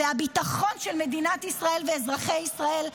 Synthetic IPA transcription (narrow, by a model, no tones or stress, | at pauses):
eabit̪aχo̞nʃelme̞d̪inat̪isʁae̞lveːzʁaχe̞jisʁae̞l